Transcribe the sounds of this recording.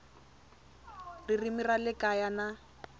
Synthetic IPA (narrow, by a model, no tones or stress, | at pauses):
ririmiralɪkʼajana